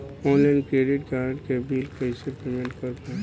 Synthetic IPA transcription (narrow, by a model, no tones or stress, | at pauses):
ɔ̃ːnlaɪnkɾeːɖɪʈkaːɾəʈkebʱiːlkəisepemẽɳʈkɐɾpa